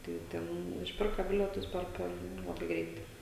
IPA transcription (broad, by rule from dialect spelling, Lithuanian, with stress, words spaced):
ˈtɐɪ ˈtʲɛn ɪʃʲˈpʲɪrkɐ ˈbʲɪlʲiɛtʊs ˈpʲɛr ˈpʲɛr ˈlˠɑːbɐɪ ˈɡrʲɛɪtɐɪ